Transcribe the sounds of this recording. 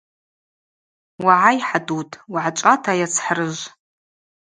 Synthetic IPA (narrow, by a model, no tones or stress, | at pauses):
waʕajħadutʼwʕat͡ʃʷʼatʰajat͡sʰħrɨʒʷ